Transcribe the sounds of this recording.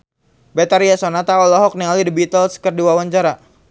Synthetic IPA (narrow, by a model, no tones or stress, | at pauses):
bɛt̪aɾiasɔnat̪aɔlɔɦɔk̚nialidibit̪əlskərdiwawaɲt͡ʃaɾa